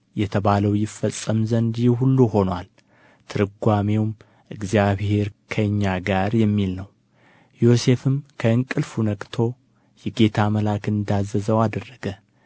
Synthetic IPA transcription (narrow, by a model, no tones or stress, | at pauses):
jɛt̪ʰəβaləwjɪfəsʼːəmzənd̪hulːuho̞nwal | t̪ʰɨɾɨɡʷame̞wm | ʔɨɡzijaβhe̞ɾkʰəɲːaɡaɾjɛmːilnəw | jo̞se̞fɨmkʰəɨŋkʼɨlfunəkʼt̪ʰo̞ | jɛɡe̞t̪ʰaməlakɨnd̪azːəzəwad̪ərːəɡə